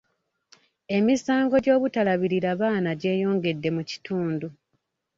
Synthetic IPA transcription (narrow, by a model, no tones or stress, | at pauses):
e̞misaːŋɡo̞ɟo̞ːβutalaβiɾiɾaβaːnaɟe̞ːjo̞ːŋɡe̞dːe̞muci̥tʰuːndu